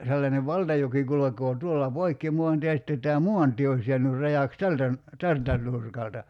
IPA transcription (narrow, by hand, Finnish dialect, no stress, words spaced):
selːɑneʋ ʋɑltɑjoki kulokˑoː tuolːɑ poikːi muɑntie jɑ sĭtːe tæː muɑntie ois je̞ænyr rɑjɑˑks tæltæ n tæltæ nˑurkɑltɑ